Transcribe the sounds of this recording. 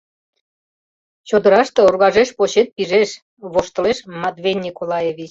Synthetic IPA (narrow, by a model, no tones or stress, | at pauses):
t͡ɕod̪ə̆ɾɑʃt̪eorɣɑʒeʃpoɕet̪̚piʒeʃ | βoʃt̪ə̆leʃmɑd̪βenʲːikolɑjevʲit͡ɕ